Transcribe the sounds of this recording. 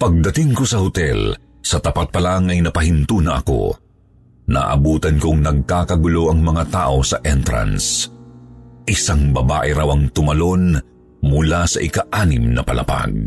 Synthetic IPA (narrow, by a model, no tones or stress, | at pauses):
pɐɡ̚d̪ɐt̪iŋkosɐhʊt̪ɛl | sɐt̪ɐpat̪̚pɐlaŋɐjnɐpɐɦɪnt̪uːnɐʔɐ̰ko̞̰ | na̰ʔɐbuːt̪ɐnkoŋnɐɡ̚kaːkɐɡʊlo̞ʔɐŋmɐŋat̪aːʔo̞sɐʔɛnt̪ɾɐ̰ns | ʔɪsaŋbɐbaːʔɛɾawɐŋt̪ʊmɐlo̞n | mʊlasɐʔɪkaʔaːnɪmnɐ̰pɐlɐ̰pa̰ɡ̚